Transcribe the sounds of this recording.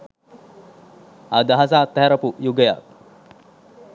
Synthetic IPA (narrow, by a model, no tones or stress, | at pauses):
ad̪aɦasaːt̪ːɛɦɛɾəpujuɡəja̰k̚